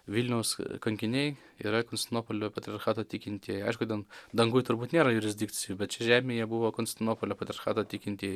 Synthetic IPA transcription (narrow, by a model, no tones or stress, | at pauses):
ʋʲilʲnʲɛʊskɐŋʲkʲɪnʲɛɪ | ḭːɾɐkonsʲt̪ʲɪnoːpolʲoːpɐt̪ʲɾʲɪɐrxɑːt̪oːtʲikʲɪnʲt̪ʲiːɛjɐɪʃkʊt̪ʲeːlˠd̪ɐŋɡʊjt̪ʊɾbuːt̪nʲeːɾɐjʊɾʲɪzʲd̪ʲikʲt͡s̪ʲɪjubʲɛt̪t͡ʃʲɛʒʲæːmʲeːjɛbʊʋoːkonsʲt̪ʲɪnoːpolʲoːpɐt̪ʲɾʲɪɐɾxɑːt̪oːt̪ʲikʲɪnt̪ʲiːj